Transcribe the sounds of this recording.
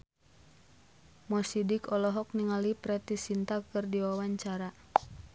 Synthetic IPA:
mɔsidikɔlɔɦɔk̚niŋalipɾɛt̪isint̪akɨrdiwawaɲt͡ʃaɾa

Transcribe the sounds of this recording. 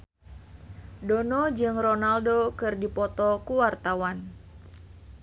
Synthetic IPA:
donɔd͡ʒɨŋronaldokɨrdipɔt̪ɔkuwart̪awan

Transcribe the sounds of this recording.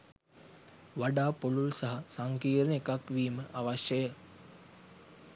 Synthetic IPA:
ʋaɖaːpolulsɐɦasaŋkiːɾnekakʋiːməʔaʋaɕjəjə

